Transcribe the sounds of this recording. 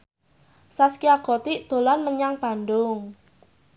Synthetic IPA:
saskiaɡ̥ot̪iʔd̪̥o̤lanməɲaŋb̥a̤nd̪ʊŋ

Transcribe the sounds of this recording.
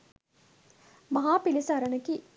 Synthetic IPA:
mɐɦaːpilisaːɾɐnɐki

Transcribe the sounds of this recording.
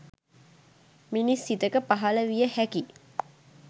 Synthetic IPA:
minisːit̪əkəpaɦaləʋijəhæki

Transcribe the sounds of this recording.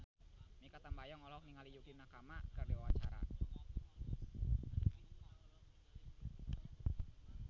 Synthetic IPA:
mikat̪ambajɔŋɔlɔk̚niŋalijukinakamakərdiwawat͡ʃaɾa̰

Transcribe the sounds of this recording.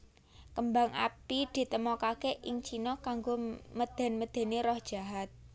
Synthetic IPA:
kəmbaŋʔa̰pid̪̥i̤t̪əmɔkakeʔɪŋt͡ʃinɔkaŋɡoməd̪̥ɛ̤nməd̪̥ɛ̤neɾɔhd̥ʒ̥a̤ɦat̪̚

